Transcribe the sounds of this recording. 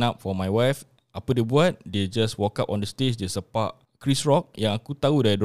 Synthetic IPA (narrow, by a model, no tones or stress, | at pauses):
nap̚fɔmajwajf | ʔapədebuat̚ded͡ʒaswɔkapɔ̃ndəstet͡ʃdesəpaʔ | kɹisɹɔk̚jãŋakut̪audad